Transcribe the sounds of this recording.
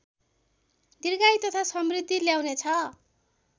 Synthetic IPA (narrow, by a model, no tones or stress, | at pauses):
d̪irɡajt̪ʌt̪ʰasʌmrid̪ʱːiljawnet͡sʰʌ